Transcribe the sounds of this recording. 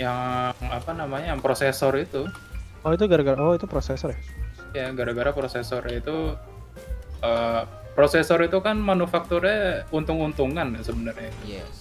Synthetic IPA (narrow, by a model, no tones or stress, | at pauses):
jaŋŋapanamaɲajaŋpɾosesɔrit̪u | ɔit̪̬uɡaɾaɡaɾaɔit̪upɾosesɔrja | jaɡaɾaɡaɾapɾosesɔrjait̪u | ə | pɾosesɔɾit̪ukanmanufak̚t̪uɾɛunt̪ʊŋunt̪uŋankasəbənərɲaɛ